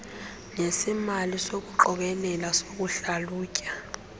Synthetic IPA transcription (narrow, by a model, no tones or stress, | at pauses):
ŋesimalisok̬ʼuǃɔk̬ɛlɛlasok̬ʼuɬaluːcʼa